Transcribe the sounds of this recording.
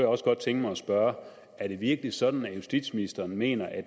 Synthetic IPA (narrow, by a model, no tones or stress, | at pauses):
jɑ̈ɒ̽sɡ̥ɒ̽d̥̚t͡sʰeŋɡ̥əmɑ̈ɪɒsb̥ɶːɐ | æɐɾ̥e̝ʋiɐɡ̥əli̥sɒ̽d̥n̩æjusd̥ḭd̥sminisd̥ɐːnme̝̰ːnɐʔæ̥